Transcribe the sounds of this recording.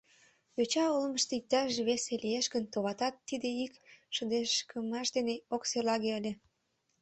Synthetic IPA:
jøt͡ɕɑolməʃt̪ik̚t̪ɑʃβeselieʃkənt̪oβɑt̪ɑt̪ːid̪eikʃəd̪eʃkəmɑʃd̪eneokselɑɣeəlʲe

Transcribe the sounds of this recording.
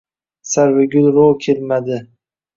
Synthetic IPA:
saɾvɪɡʲʊlˠɾokʲʰelmad̪ɪ

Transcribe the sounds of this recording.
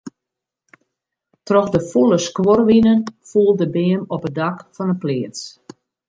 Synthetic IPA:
trɔxdəfulˠəskworʋinənfuːlˠdəbeːmɔpədakfɔnəpleəs

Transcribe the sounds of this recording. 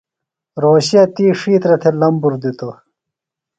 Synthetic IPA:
ɾoːɕiɐt̪iːʂiːt̪ɾɐt̪ʰelɐmbuɾd̪it̪o

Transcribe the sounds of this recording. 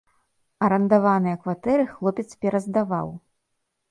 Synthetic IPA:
ɐɾɐnd̪avanɨjɐkvat̪ɛɾɨxlˠɔpʲɛt̪spʲɛɾɐzd̪ava̰w

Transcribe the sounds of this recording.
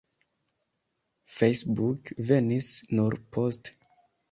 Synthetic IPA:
fejsbukve̞nisnuɾpʰost

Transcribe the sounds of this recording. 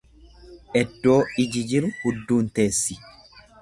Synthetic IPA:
ʔɛd̪ːo̞ːɪd͡ʒɪd͡ʒɪɾʊhʊd̪ːuːnt̪e̞ːsːɪ̥

